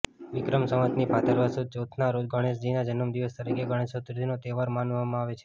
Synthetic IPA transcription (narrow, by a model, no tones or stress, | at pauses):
ʋɪkɾəmsəmət̪nipat̪əɾʋəsud̪̚d͡ʒot̪ʰnaɾod͡ʒ̪ɡəɽ̃es̬d͡ʒinad͡ʒənəmd̪iʋəst̪əɾikeɡəɽ̃esot̪ɾd̪ʱinot̪eʋaɾmanʋamãaʋet͡ʃʰe̥